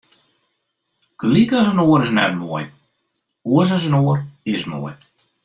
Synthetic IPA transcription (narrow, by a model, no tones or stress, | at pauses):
klikas̬ənoəɾɪsnɛ̰t̚moəj | uəs̬əs̬ənoərɪsmo̰əj